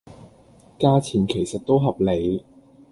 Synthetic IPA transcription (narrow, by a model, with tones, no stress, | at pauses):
kaː˥t͡sʰiː˨˩nkʰe˨˩jsɐ˨t̚t̪o˥wɦɐ˨p̚le˨˧j